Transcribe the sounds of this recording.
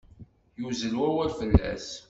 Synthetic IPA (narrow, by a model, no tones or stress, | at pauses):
juzəlwæwælfəlːæ̰s